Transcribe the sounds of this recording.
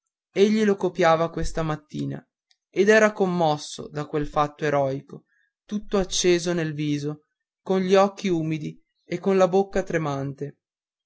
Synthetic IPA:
eʎːilokopjaːvakwest̪amat̪ːiːna̰ | ed̪ɛːɾakomːɔsːo̰d̪akwelfat̪ːoeɾɔjko | t̪ut̪ːoat͡ʃːeːzonelviːzo | konʎiɔkːiuːmid̪i | ekːonlabokːat̪ɾemant̪e

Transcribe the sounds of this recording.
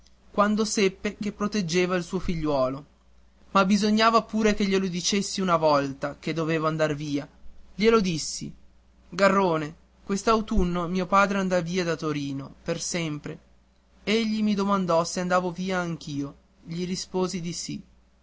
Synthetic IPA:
kwand̪osepːekepːɾot̪ed͡ʒːeːvailsuːofiʎːwɔːlo | mabizoɲːaːvapuːɾekeʎːelod̪it͡ʃesːiunavɔlt̪ak̟ed̪ːoveːvoand̪arviːaʎelod̪isːḭ | ɡarːoːne | kwest̪awt̪unːomiːopaːd̪ɾeand̪aviːad̪at̪oɾiːnopersɛmpɾe | eʎːimid̪omand̪ɔseand̪aːvoviːaːŋk̟ʰiːo | ʎiɾispoːzid̪isi

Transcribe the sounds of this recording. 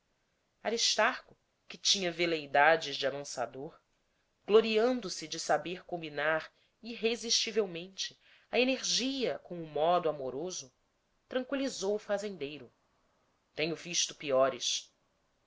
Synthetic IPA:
aɾiʃt̪aɾkʊ | kɪt͡ʃĩɲɐvelejd̪ad͡ʒɪzd͡ʒɪamɐ̃sa̰d̪oɾ | ɡ̥loɾiɐ̃nd̪ʊsɪd͡ʒɪsabeɾkõmbinaɾ | iɦeziʃt͡ʃivewmẽnt͡ʃɪ | ɐeneɾʒiɐkõw̃ʊmɔd̪ʊamoɾozʊ | t̪ɾɐ̃ŋkwilizowʊfazẽnd̪ejɾʊ | t̪ẽɲʊviʃt̪ʊpiɔɾɪs

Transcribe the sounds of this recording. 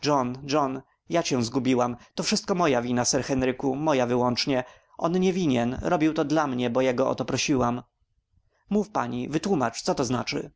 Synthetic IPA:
ʐɔnd͡ʐɔn | jat͡ɕɛ̃w̃zɡubʲiwamt̪ɔfʂɘst̪kɔmɔjavʲinasɛɾxɛnɾɘkumɔjavɘwɔnt͡ʂɲɛ | ʔɔnɲɛvʲiɲɛnɾʔɔbʲiwt̪ɔd̪lamɲɛbɔjɛɡɔɔ̰t̪ɔpɾɔɕiwam | mufpaɲḭvɘt̪wumat͡ʂt̪sɔt̪ɔznat͡ʂɘ̰

